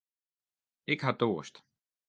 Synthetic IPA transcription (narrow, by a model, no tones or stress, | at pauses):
ɪkhatoːəst